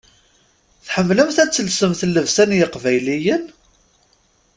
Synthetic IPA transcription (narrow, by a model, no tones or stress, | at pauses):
θħəmːləmθæt͡sːəlsəmθəlːəvsænjɪqvæjlijən